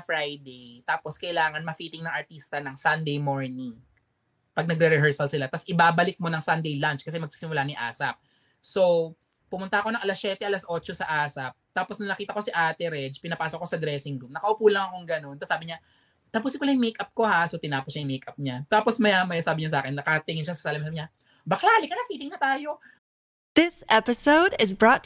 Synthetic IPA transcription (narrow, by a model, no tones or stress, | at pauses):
ɐfɹajd̪ejt̪aːposkɐʔɪlaːŋɐnmɐfiːt̪ɪŋnɐŋʔɐɹt̪iːst̪ɐnɐŋsɐnd̪ejmoɹnɪŋ | pɐɡ̚nɐɡ̚ɾɛɾɛɦɛɹsɐlsɪlat̪asʔɪbaːbɐlɪk̚mo̞nɐŋsɐnd̪ejlant͡ʃkɐs̬ɛmɐɡ̚si̥sɪmʊlaniʔa̰ːsɐp̚ | so̞ | pʊmʊnt̪ɐʔɐko̞nɐŋʔɐlasʃɛːt̪ɛʔɐlasʔo̞ːt͡ʃosɐʔaːsɐp̚t̪aːposnɐnɐkiːt̪ɐko̞sɪʔaːt̪ɛɾɛd͡ʒpɪnɐpaːsokosɐd̪ɾɛːsɪŋɡ̪umnɐkɐʔʊpuːlɐŋɐkoŋɡɐno̞nt̪ɐsaːbɪɲa | t̪ɐpuːsɪkʊlɐjŋmejkʔɐp̚ko̞hasot̪ɪnaːposɲɐjŋmejkʔɐp̚ɲat̪aːposmɐjamɐjasaːbɪɲos̬aːkɛnːɐkɐt̪ɪŋɪnʃasɐ̥saːlɐmsamɲa | bɐklaːlɪkɐnɐfiːt̪ɪŋnɐt̪aːjo̞ | ð̥ɪsʔɛpɪsoʊdɪzbɹɔt̪̚